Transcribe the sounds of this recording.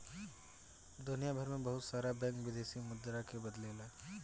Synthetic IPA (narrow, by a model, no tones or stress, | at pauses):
d̪ʊnijabʱəɾmẽbɐɦʊt̪saːɾabɛ̃ːŋkʋɪd̪eːsimʊd̪ːɾakebɐd̪lelɛː